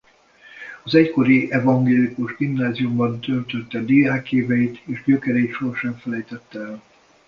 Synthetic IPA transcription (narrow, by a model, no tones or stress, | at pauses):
ɒzɛcko̞ɾiɛvɒŋɡeːlikuʒɡimnaːziumbɒnt̪ølt̪øt̪ːɛd̪eːaːkeːvɛit̪eːʒɟøkɛɾɛit̪ʃo̞rʃɛɱfɛlɛjt̪ɛt̪ːɛɛl